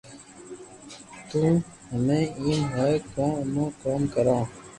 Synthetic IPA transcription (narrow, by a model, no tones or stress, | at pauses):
t̪ũː | həmẽːiːnɦaːekãːnõːkaːmkəɾãː